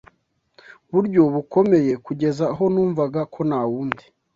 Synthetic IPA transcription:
βuɾɟo̞βuko̞me̞je̞kuɟe̞zaɦo̞nuːɱvaɡakʰo̞nawuːndi̥

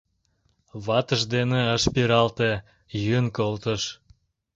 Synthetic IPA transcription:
βɑt̪əʒd̪eneəʃpiɾɑlt̪e | jynkolt̪əʃ

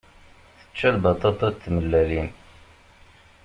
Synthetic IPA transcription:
θə̥t͡ʃːælbɑt̪ˤɑt̪ˤɑt̪ːməlːælin

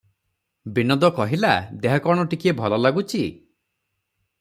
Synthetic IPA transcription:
binɔd̪ɔkɔɦilad̪eɦɔkɔɽ̃ɔʈikiebʱɔlɔlaɡut͡ʃʰi

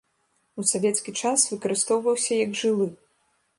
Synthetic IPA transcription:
usavʲɛt̪skʲit͡ʂasvɨkɐɾɨst̪ɔwvɐwsʲɐjɐɡʐɨlˠɨ

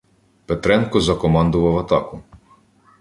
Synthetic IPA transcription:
pet̪ɾɛnkɔzɐkɔmɑnd̪ʊʋɐwɐt̪ɑkʊ

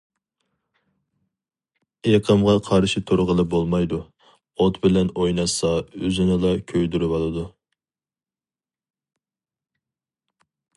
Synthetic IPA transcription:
eqʰəmʁɑqʰɑɾʃit̪ʰoɾʁəlˠɨbolˠmɑjd̪u | ot̪bɪlɛnojnɑsɑøzɪnɨlˠɑkʲʰøjd̪yɾybɑlˠɨd̪u

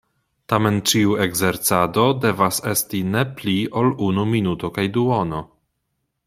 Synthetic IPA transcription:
tame̞nt͡ʃiueɡzeɾt͡sado̞de̞vasestine̞pliolunuminutokajduono

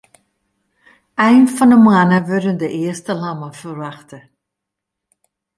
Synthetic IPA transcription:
ɛjnfɑndəmɑːnəvødəndəʔɪəstəlɑməfərvɑχtə

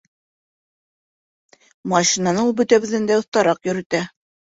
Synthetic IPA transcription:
mɑʃinɑnɤulˠbɵ̆t̪æβɘ̆ðɘ̆nd̪æɤ̆θt̪ɑɾɑqjɵ̆ɾɘ̆t̪æ

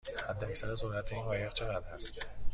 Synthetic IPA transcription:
hæd̪ːæcsæɾæzohlæt̪ʰeiːnvɒːjeɣt͡ʃʰe̞ɣæd̪hæst̪

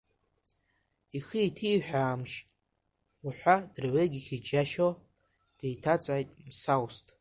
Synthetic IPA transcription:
ixəitʰiːħᶣʷaːmʃʼ | uħʷad̥rɥeɡʲiχʲid͡ʒaʃo | d̥ejtʰat͡sʼaːjtʼmsawstʼ

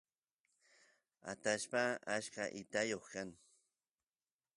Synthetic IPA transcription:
a̰t̪aʃpaaʃkaʔɪt̪ajoχkaŋ

